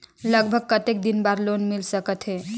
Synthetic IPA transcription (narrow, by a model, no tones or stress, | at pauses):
ləɡbʱəɡ̚kət̪ek̚d̪inbaɾlonmilsəkət̪ɦe